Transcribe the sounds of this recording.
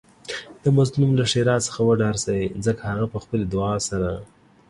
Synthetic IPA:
d̪̥əmazlumlaʂeɾɑsə̥xawəɖɑɾsawizəkahaɣapəxpəled̪ʊɑsaɾa

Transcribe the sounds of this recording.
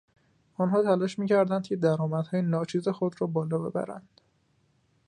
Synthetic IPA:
ɒnɦɒːt̪ʰælɒːʃmiːcʰæɾd̪ænd̪cʰed̪æɾɒːmæd̪̥hɒːjenɒːt͡ʃʰiːze̞xod̪ɾɒːbɒːlɒːbe̞̰bæ̰ɾæ̰nd̪̥

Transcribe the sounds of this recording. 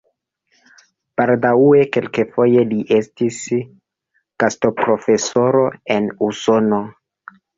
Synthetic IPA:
paldaueke̞lkefo̞je̞liʔe̞stis | kasto̞pɾo̞fe̞so̞ɾo̞e̞nuso̞no̞

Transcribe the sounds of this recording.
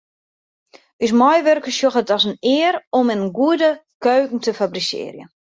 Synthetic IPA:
ys̬mɔjʋørkəsjoxətɔsənɪəɾɔmənɡuədə | køːkŋ̩təfabrisɪ̰ːrjə̰

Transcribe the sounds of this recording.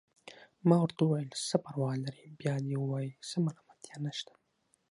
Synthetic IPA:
mɑːwaɾt̪uwɑjlsəpaɾwɑːlaɾibjɑːd̪ewɑːjisəmalamat̪janaʃt̪ḁ

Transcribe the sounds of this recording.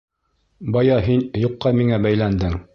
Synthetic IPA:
bɑjɑɦinjuqːɑmiŋæbæjlænd̪ɘŋ

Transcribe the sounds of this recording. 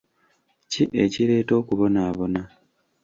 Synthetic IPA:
ciʔe̞ciɾe̞ːto̞ːkuβo̞naːβo̞na

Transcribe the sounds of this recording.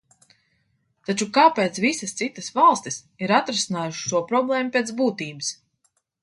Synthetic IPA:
t̪at͡ʃukaːpeːt̪svisɐst̪sit̪əsvalˠst̪is | iɾat̪ɾesinaːjuʃʃuɔpɾɔblˠɛːmupʲeɛsbuːt̪iːbɨs

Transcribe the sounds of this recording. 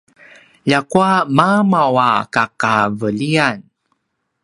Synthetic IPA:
jakuamamawakakavəlian

